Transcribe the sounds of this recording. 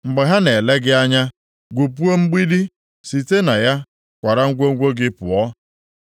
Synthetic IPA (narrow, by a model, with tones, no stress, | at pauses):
ŋ͡m̩˨ɡ͡be˨ɦa˦ne˨le˦ɡɪ˦a˦ɲa˦ | ɡʷu˨pu˦o˦ŋ͡m̩˦ɡ͡bi˦di˦ | si˨te˦na˨ja˦ | kʷa˨ɾa˦ŋ̩˦ɡʷo˦ŋ̩˦ɡʷo˦ɡɪ˦pʊ̰˨ɔ˦